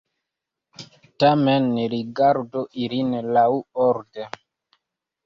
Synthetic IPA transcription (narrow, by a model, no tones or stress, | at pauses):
tamɛnɾiɡaɾdoʔilinlauɔɾde